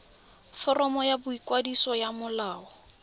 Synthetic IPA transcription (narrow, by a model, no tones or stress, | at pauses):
fɔrɔmɔjabʊikwadisɔjamʊlaːɔ